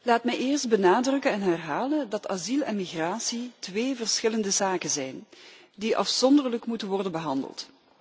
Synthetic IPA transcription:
laːtmɛjɪːrsd̚bənaːdrɵkənɛnɦɛrɦaːləndɑta̰zilˠɛ̰nmiɣraːsitʋeːvərsxɪləndəzaːkənzɛjndiʔɑ̰fsɔndərləkmutənʋɔrdənbəɦɑndə̰lˠt

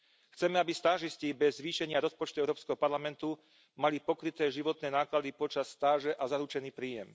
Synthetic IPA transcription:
xt͡sɛmɛabist̪aːʒisciːbɛzːʋiːʃɛɲɪaɾɔspɔt͡ʃt̪uɛʊɾɔːpskɛɦɔpaɾlamɛnt̪u | malipɔkɾit̪ɛːʒiʋɔt̪nɛːnaːklad̪ipɔt͡ʃasːt̪aːʒɛʔazaɾut͡ʃɛniːpɾiːjɛm

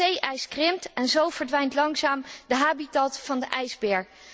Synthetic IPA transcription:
ejʔɛjskrɪmtɛnzowv̥əɹdʋɛjntlɑŋzaːmdəɦaːbitɑtfɑndəʔɛjzbɛːɹ

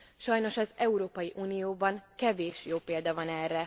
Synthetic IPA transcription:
ʃɒjno̞ʃɒzɛuɾoːpɒjiʔuːnijoːbɒŋkɛveːʃjoːpeːld̪ɒvɒnɛːrːɛ

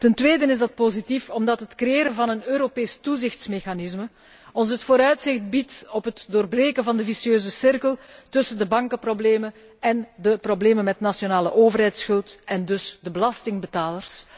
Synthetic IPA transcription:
təntʋeːdənɪzdɑt̚pozitifɔmdɑtɦətkrejeːɾənvɑnənøːɾopeːstuzɪxtsmexanɪzmə | ɔns̬ɦətfoːɾœɥtsɪxt̚bitɔpɦətdoːrbreːkənvɑndəvisiøːzəsɪrkəlˠtɵsəndəbɑŋkəprobleːmən | ɛndəprobleːmənmɛtnasjonaːləʔoːvərɦɛjtsxɵlˠtɛndɵsdəbəlɑstɪŋbətaːlərs

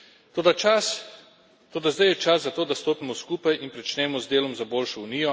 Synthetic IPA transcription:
t̪oːd̪at͡ʃas | t̪oːd̪azd̪ajɛt͡ʃaszat̪oːd̪ast̪oːpimɔskuːpajinpɾɛt͡ʃnɛːmɔzd̪eːlɔmzaboːlʃɔuniːjɔ

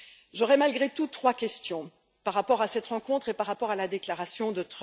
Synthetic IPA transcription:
ʒɔʁɛmalɡʁet̪ut̪ːχwakʲɛst̪jɔ̃ | paʁːapɔʁasɛt̪ʁɑ̃kɔ̃t̪χepaʁːapɔʁalad̪eklaʁasjɔ̃d̪ət̪χ

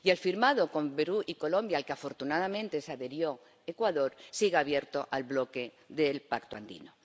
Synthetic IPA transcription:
jelfiɾmaðoko̞mbeɾuʔiko̞lõ̞mbjalkeafo̞ɾt̪unaðamẽ̞nt̪e̞saðe̞ɾjo̞ | ekwaðo̞ɾsiɣeaβ̞je̞ɾt̪o̞ʔalβlo̞ke | ðelpakt̪oa̰nd̪ḭno

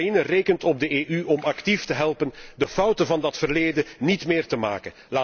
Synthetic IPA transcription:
inəreːkəntɔb̚dəeːʔyʔɔmɑktiftəɦɛlˠpəndəfʌwtəvɑndɑtfərleːdənitmɪːrtəma̰ːkən | laː

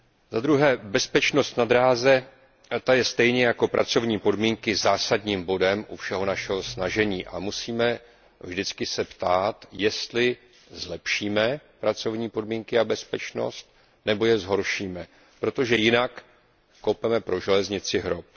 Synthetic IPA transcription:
zad̪ɾuɦɛːbɛspɛt͡ʃno̞st̪nad̪ɾaːzɛ | t̪ajɛst̪ɛjɲɛjako̞pɾʔa̰t͡so̞vɲiːpo̞dmiːŋkɪzaːsadɲiːmbo̞dɛmʔufʃɛɦo̞naʃɛɦo̞snaʒɛɲiːʔa̰musiːmɛ | vʒdɪt͡skɪsɛpt̪aːt̪jɛst̪lɪ | zlɛpʃiːmɛpɾat͡so̞vɲiːpo̞dmiːŋkɪabɛspɛt͡ʃno̞̰st̪̚ | nɛbo̞jɛzɦo̞ɾʃiːmɛ | pɾo̞t̪o̞ʒɛjɪnakː | owpɛmɛpɾo̞ʒɛlɛzɲɪt͡sɪɦɾop̚

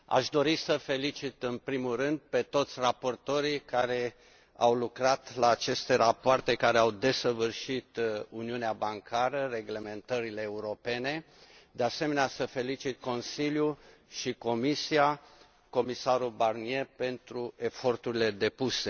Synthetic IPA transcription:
a̰ʃd̪o̞ɾisəfe̞lit͡ʃit̪ɨnpɾimulrɨnd̪̚pe̞t̪o̞t̪sʲrapo̞rt̪o̞ɾikaɾe̞ | a̰wlukɾat̪laːt͡ʃe̞st̪e̞ɾapoart̪e̞kaɾeawd̪e̞səvɨrʃit̪uniuneabaŋkʰaɾəre̞ɡle̞me̞nt̪əɾile̞ːuɾo̞pe̞ne̞ | d̪ease̞me̞neasəfe̞lit͡ʃit̪̚ko̞nsilju | ʃiko̞misia | ko̞misaɾulbarnie̞pe̞nt̪ɾue̞fo̞rt̪uɾile̞d̪e̞puse̞

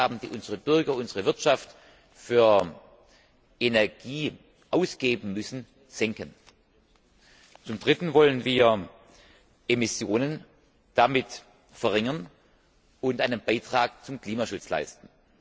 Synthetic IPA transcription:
aːbm̩dḭːʔʊnzəʁəbʏɐɡɐʊnzəʁəvɪɐtʃaft | fyːɐ | ʔenɛɐɡ̥iː | ʔaʊsɡ̥eːbn̩mʏsn̩ | z̥ɛŋkən | t͡sʊmd̥ʁɪtn̩vɔlənviːɐ | ʔemɪsjoːnən | d̥amɪt | fɛɐʁɪŋɐn | ʊntʔaɪnənb̥aɪtʁ̥aːk̚t͡sʊmkl̥iːmaʃʊt͡sla̰ɪstn̩

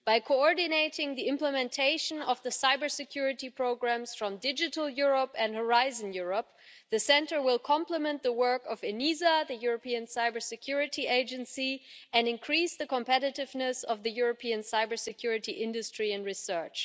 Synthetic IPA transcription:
b̥aɪkʰoɔɹdɨneɪɾɪ̃ŋðiɪ̃mpləmɛ̃ntʰeɪʃə̃nʌvðəsaɪbə˞sɨkʰj̥ʊɹɨtipʰɹ̥oʊɡɹæ̃msfɹʌ̃mdɪd͡ʒɨɾl̩ˠjʊɹəpɨ̃ndhə˞aɪzə̃njʊɹəp̚ðɨsɛ̃ntə˞wɪlˠkʰɑ̃mpləmɛ̃nðəwɜ˞kʌvɨnizaðɨjʊɹəpiɨ̃nsaɪbə˞sɨkʰj̥ʊɹɨtieɪd͡ʒɨ̃nsiɨ̃ndɨ̃nkʰɹ̥isðɨkə̃mpɛɾɨɾɨvnɨsʌvðɨjʊɹopʰiɨ̃nsaɪbə˞sɨkʰj̥ʊɹɨtiʔɪ̃ndɨstɹ̥iɨ̃ndɹisɜ˞t͡ʃ

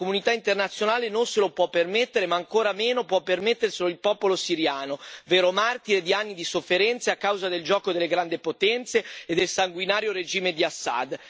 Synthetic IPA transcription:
komunit̪aint̪ernat̪sːjonaːlenonselopwɔpːermet̪ːeɾemaːŋkoːɾameːnopwɔpːermet̪ːerseloilpɔːpolosiɾjaːnoveːɾomart̪iɾed̪ianːid̪isofːeɾɛnt̪seakːawzad̪eld͡ʒɔːkod̪elːeɡɾand̪ipot̪ɛnt̪seːd̪ːelsaŋɡwinaːɾjoɾed͡ʒiːmed̪iasːa̰d̪

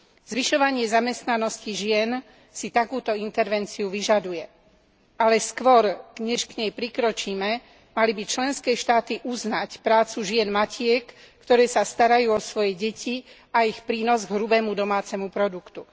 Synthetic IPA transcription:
z̥ʋiʃɔʋaɲɪɛzamɛst̪nanɔsciʒɪɛn | sit̪akuːt̪ɔint̪ɛɾʋɛnt͡siuʋiʒad̪ujɛ | alɛskʋɔɾɲɛʃkɲɛjpɾikɾɔt͡ʃiːmɛ | malibit͡ʃlɛnskɛːʃt̪aːt̪iʔuznacpɾaːt͡suʒɪɛnmacʰɪɛkː | t̪ɔɾɛːsast̪aɾajuːɔsʋɔjɛɟɛcʰi | aixpɾiːnɔzɡɦɾubɛːmud̪ɔmaːt͡sɛmupɾɔd̪ukt̪u

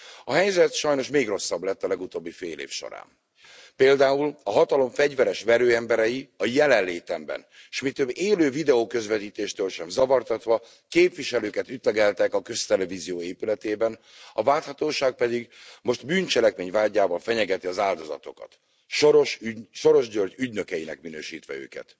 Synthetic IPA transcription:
ɒɦɛjzɛt̪ʃɒjno̞ʃmeːɡro̞sːɒblɛt̪ːɒlɛɡut̪oːbːifeːlḛːfʃo̞̰ɾa̰ːn | peːld̪aːulɒɦɒt̪ɒlo̞ɱfɛɟvɛɾɛʃvɛɾøːɛmbɛɾɛjiɒjɛlɛnleːt̪ɛmbɛ̰n | ʃmit̪øbːeːløːvid̪ɛoːkø̞zvɛt̪iːt̪eːʃt̪ølʃɛmzɒvɒrt̪ɒt̪ʋɒ | keːpviʃɛløːkɛt̪yt̪lɛɡɛlt̪ɛkɒkø̞st̪ɛlɛvizijoːeːpylɛt̪eːbɛn | ɒvaːt̪hɒt̪oːʃaːk̚pɛd̪iɡmo̞ʃt̪byːnt͡ʃɛlɛkmeːɲvaːɟːaːvɒlfɛɲɛɡɛt̪iɒzaːld̪o̞zɒ̰t̪o̞̰kɒ̰t̪ | ʃoɾoʃʃo̞ɾo̞ʒɟørɟyɟnøkɛjinɛkminøːʃiːt̪ʋɛ̰ø̰ːkɛ̰t̪

